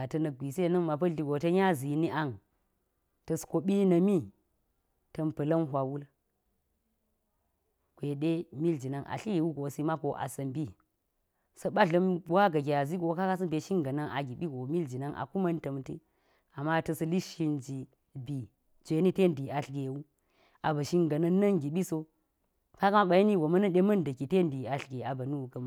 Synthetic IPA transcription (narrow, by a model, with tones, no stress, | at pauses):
a˨tɐ˦nɐ˨ɡi˨se˦˨nɐ˦ŋma˨p̬ɐ˦ɮi˨ɡo˨tɐ˦ɲa˦zi˨ni˦ʔa˦ŋ | tɐ˨sko˨ɓi˦nɐ˨mi˦ | tɐ˨mpɐ˨lɐ˦nɦʷa˨wu˦l | kʷe˨ɗe˦mi˦ld͡ʒi˨na˦˨ŋʔa̰˨ɬi˦ɡe˨wu˦ɡo˨si˦ma˦ko˨ʔa̰˨sɐ˨mbi˦ | sɐ˦ɓa˦ɮɐ˦m˦wa˦ɡɐ˨ɡʲe˨a˨zi˦ɡo˨˦ka˦ka˦s̬ɐ˦mbe˨ʃi˦ŋɡɐ˨nɐ˦ŋʔa˨ɡʲi˨ɓi˦ɡo˨mi˦ld͡ʒi˨na˦ŋʔa̰˨ku˦mɐ˦ntɐ˨mti˦ | a˨mːa˦˨tɐ˦sɐ˦li˦ʃi˦nd͡ʒi˨ | bi˨ | t͡sʷe˨ni˦te˦˨ndi˨a˨ɬɡe˨wu˦ | a˨bɐ˨ʃi˦ŋɡɐ˨nɐ˦nːɐ˦ŋɡʲi˨ɓi˦so˦ | ka˦ka˦ma˦ɓa˨i˦ni˦wo˨mɐ˦nɐ˦nɗe˦mɐ˦ndɐ˨ki˨te˦ndi˨a˨ɬɡe˨a˨bɐ˨nu˦u˨kɐ˦m˦